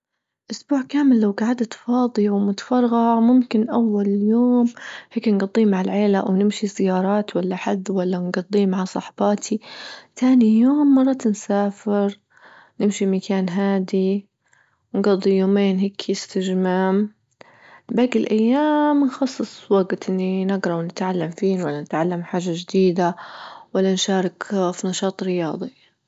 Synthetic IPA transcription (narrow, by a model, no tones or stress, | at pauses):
ʔʊsbuːʕkaːmɪlːawɡaʕad̪at̪fɑːd̪ˤiwmʊt̪fɑɾˤɣɑmʊmkɪnʔawːaljoːmheːknɡɑd̪ˤːiːmaʕalʕeːlawnɪmʃizɪjɑːɾˤɑːt̪walːaħad̪ːwalːanɡɑd̪ˤːiːmaʕasˤɑ̰ħbɑːt̪ʰit̪ʰaːnijoːmːɑrˤːɑt̪nsaːfɪɾ | nɪmʃimakaːnɦaːd̪i | wnɡɑd̪ˤːijoːmeːnɦeːkʰjɪst̪ɪʒmam | baɡɪlʔajːaːmnxɑsˤːɨsˤwaɡt̪ʔɪnːinɪɡɾˤɑwnɪt̪ʕalːamfiːnwalːanɪt̪ʕalːamħaːʒːaʒd̪iːd̪awalːanʃɑːɾˤɑkfinɑʃɑːt̪ˤɾɪjɑːðˤi